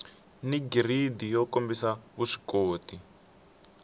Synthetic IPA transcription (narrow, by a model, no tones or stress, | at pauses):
niɡiridijɔkombisaβuʂi̥koːti